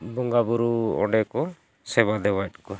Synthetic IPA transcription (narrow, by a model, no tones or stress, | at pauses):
buŋɡabuɾuɔ̰ɖɛkɔ | sɛbad̪ɛwajʈ̚kɔ